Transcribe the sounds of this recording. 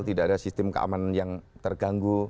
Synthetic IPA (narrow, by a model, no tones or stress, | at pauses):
lt̪idaʔːdasist̪ɪmkə̰ʔa̰mananjaŋt̪ərɡaŋɡu